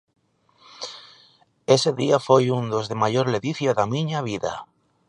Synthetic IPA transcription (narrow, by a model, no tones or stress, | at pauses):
eseðiafojund̪ozðemajoɾleðiθjaðamĩɲaβiða̰